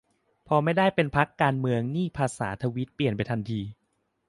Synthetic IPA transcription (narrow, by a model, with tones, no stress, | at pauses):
pʰɔ˧ma˥˩jdaː˥˩jpe˧npʰa˦˥kːaː˧nmɯ˧əŋniː˥˩pʰaː˧sa̰ː˩˦t̪ʰa˧wi˦˥t̪̚pli˨˩ənpa˧jt̪ʰa˧nt̪ʰiː˧